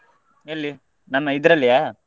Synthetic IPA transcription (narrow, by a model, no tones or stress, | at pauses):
ɛlːi | nɐmːɐɪðɪɾɐlːɪjaː